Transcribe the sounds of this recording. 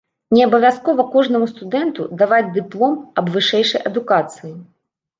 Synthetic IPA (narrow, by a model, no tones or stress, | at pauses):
nʲɛɐbɐvʲaskɔvɐkɔʐnɐmust̪ud̪ɛnt̪ud̪avad͡zʲd̪ɨplˠɔmɐbvɨʂɛjʂɐjʔɐd̪ukat̪sɨji